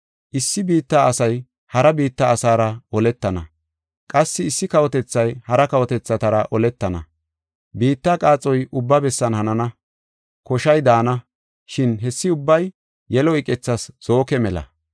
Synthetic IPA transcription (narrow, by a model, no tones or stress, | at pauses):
ʔɪsːɪbiːt̪ːaːɐsɐj | hɐɾɐbiːt̪ːɐːsaːɾɐɔlɛt̪ːɐnɐ̰ | kʼɐsːɪɪsːɪkɐwɔt̪ɛt͡sːɐjhɐɾɐkɐwɔt̪ɛt͡sːɐt̪ɐɾɐʔɔlɛt̪ːɐnɐ̰ | biːt̪ːakʼaːt͡sʼɔjʔʊbːɐbɛsːɐnhɐnɐnɐ | kɔʃɐjd̪aːnɐ | ʃɪnɦɛsːɪʊbːɐj | jɛlɔɪkʼɛt͡sːɐsz̥o̞ːkɛmɛlɐ̰